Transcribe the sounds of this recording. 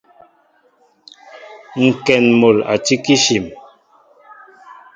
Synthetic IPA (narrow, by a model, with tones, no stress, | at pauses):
ŋ̩˨kɛ˨nmo˨la̰˨ti˦ki˦ʃi˨m